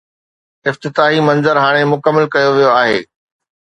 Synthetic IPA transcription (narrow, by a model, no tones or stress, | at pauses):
ɪft̪ɪt̪aːɦimɐ̃nzəɾɦaːɽ̃emʊkəmːəlkɐjoʋijoaːɦḛː